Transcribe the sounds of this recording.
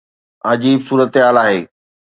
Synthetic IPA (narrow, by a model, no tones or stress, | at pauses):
ɐd͡ʑiːbsuːɾət̪ɦaːlaːɦeː